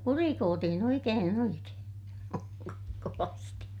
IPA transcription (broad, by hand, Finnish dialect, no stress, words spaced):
kurikoːtihin oikeːn oikeːn koʋɑsti